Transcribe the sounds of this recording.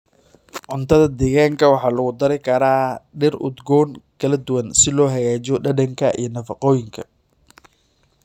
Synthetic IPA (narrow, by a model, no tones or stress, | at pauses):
ʕʊnt̪ʰɐðɐd̪ɛːɣaːŋkʰɐwɑħɑːlɐɣʊd̪ɐɾɪkʰɐɾaːɖɪrʊ̰d̪ɡɔːŋkʰɐlɐd̪ʊwɐnsɪlɔːɦɐjaːt͡ʃɔɖɐɖɐŋkʰɐʔḭjɞnɐfɑqɔːjɪŋkʰɐ̰